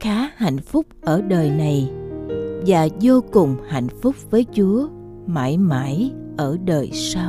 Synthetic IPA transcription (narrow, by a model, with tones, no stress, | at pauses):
xaː˨˦ha̰˧˨jŋ̟fʊ˦˥k͡p̚ʔəː˧˩ɗəː˨˩jna˨˩j | vaː˨˩zo˧kʊ˨˩ŋ͡mha̰˧˨jŋ̟fʊ˦˥k͡p̚vəː˨˦jt͡ɕu˨˦ə | ma̰ː˧˥jma̰ː˧˥j | ʔəː˧˩ɗəː˨˩jsaː˧w